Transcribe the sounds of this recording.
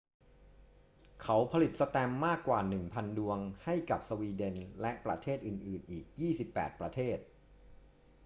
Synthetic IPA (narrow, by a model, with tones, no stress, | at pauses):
kʰa˦˥wpʰa˧li˨˩t̪̚sa˧t̪ɛ˧mːaː˥˩kːwaː˨˩nɯ˨˩ŋpʰa˧ndu˧əŋha˥˩jka˨˩p̚so˧wiː˧de˧nlɛ˦˥ʔpɾa̰˧t̪ʰeː˥˩t̪̚ʔɯː˨˩nʔɯː˨˩nʔiː˨˩k̚jiː˥˩si˨˩pːɛ̰ː˨˩t̪̚pɾa˧t̪ʰeː˥˩t̪̚